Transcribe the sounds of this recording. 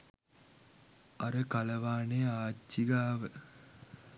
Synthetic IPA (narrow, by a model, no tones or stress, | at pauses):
ɐɾəkalɐʋaːneaːt͡ʃːiɡaːʋə